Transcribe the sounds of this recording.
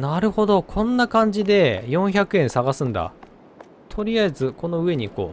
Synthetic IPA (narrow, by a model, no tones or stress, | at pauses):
naɾɯ̟ho̞d̪o̞kʰõ̞nːakãɲ̟d͡ʑid̪e̞jõ̞ɰ̃çakɯ̟ẽɰ̃saɡasɨ̃nd̪a̰ | t̪ʰo̞ɾʲiaezɨko̞no̞ɯ̟e̞ɲ̟iko̰ː